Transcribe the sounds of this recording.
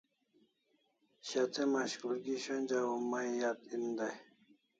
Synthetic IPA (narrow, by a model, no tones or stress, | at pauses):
ɕat̪emaɕkulɡiɕonʲd͡ʑawumajjat̪ind̪aj